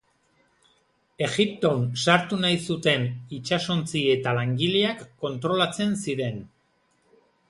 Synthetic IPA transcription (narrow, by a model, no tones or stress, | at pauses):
e̞ɣip̚t̪o̞nsaɾt̪unajsut̪e̞nit͡ʃaso̞nt͡sie̞t̪alaŋɡiliakːo̞nt̪ɾo̞lat͡se̞nsiɾe̞n